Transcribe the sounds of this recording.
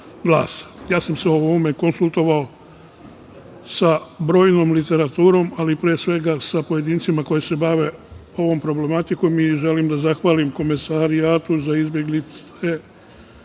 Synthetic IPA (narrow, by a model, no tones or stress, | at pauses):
ɡla̰ːsjaːsamseoʋoːme̞ko̞nsulˠt̪o̞ʋao̞ | sabɾo̞ːjno̞ːmlit̪e̞ɾat̪uːɾo̞malipɾeːsʋe̞ɡasapo̞je̞d̪iːnt̪simako̞jese̞baʋe̞ | o̞ʋo̞ːmpɾo̞ble̞mat̪iko̞miʒe̞limd̪azaxʋaːlimko̞mesaɾiaːt̪uzaizbjeɡlit̪s | e